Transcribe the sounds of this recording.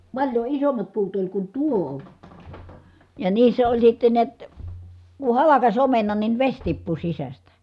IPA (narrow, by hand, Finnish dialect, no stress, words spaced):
pɑlʲjo isomːɑt puːt olʲ kun tuo jɑ niːsːæ olʲ sitːen niæt ku hɑlɑkɑs omenɑn nin ʋesʲ tipːu sisæstæ